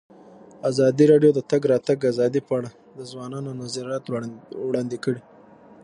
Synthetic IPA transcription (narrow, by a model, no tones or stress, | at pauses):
azɑd̪iɾɑɖjod̪ət̪aɡɾɑt̪aɡazɑd̪ipəaɽa | d̪əzwɑnɑnonazaɾjɑt̪wɽɑnd̪ikəɽi